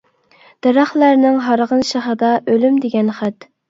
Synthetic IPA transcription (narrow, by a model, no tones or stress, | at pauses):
d̪̥eɾɑχlˠæɾnɪŋɦɑɾʁənʃɑχəd̪ɑʔølymd̪eɡʲɛnχæt̪